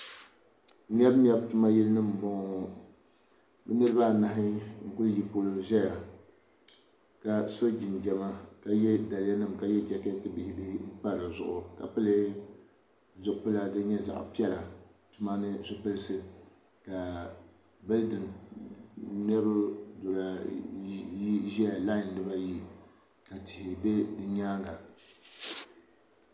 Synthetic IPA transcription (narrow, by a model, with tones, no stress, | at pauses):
n˦ɛ˦bm˦ɛ˦btu˦ma˦jɛ˦lnɨ˦m̩˨bɔ˦ŋ˨ | bɨ˦nɨ˦ɾɨ˦ba˦˨na˨ɦɪ˦ŋ̩˦kʊ˦lji˨poː˦lo˦ʒɛ˦ja˨ | ka˨so˦d͡ʒi˨nd͡ʒɛ˨ma˦ka˨jɛ˦da˨la˦nɨ˦˨mka˨jɛ˦d͡ʒɛ˨ke˦tɨ˦bi˨hɪ˦bi˦hɪ˦m̩˦pa˦˨a˨zʊ̰˨ʔʊ˨ka̰˨pɨ˦le˦ | zʊ˨ʔpɨ˦la˦dɨ˦ɲɛ˦za̰˨ʔʊ̰˨pi˦ɛ˦la˨ | tʊ˦ma˦nɨ˦zʊ˦pɨ˦lɨ˦sɨ˦ | ka˨ | bɨ˦ldɨ˨n | nɛ˦ɾʊ˦do˨la˨ | i˦ʒɛ˦a˨la˦jɪ˨ndɨ˦ba˦ji˦ | ka˨tɪ˨hɪ˨be˦dɨ˦ɲaː˦ŋɡa˨